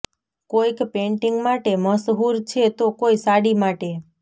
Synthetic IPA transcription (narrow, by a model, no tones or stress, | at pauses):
kojkpeɳʈiŋɡmaʈeməsɦuɾt͡ʃʰet̪okoisaɽimaʈe